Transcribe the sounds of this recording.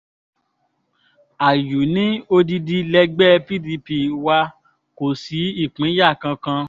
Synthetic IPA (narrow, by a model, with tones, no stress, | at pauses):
a˨ju˨nĩ˦o˧di˧di˧lɛ˧ɡ͡bɛ˦pi˦di˧pi˧wa˧ | ko˨si˨˦i˦˨k͡pĩ˨˦ja˦˨kã˧kã˧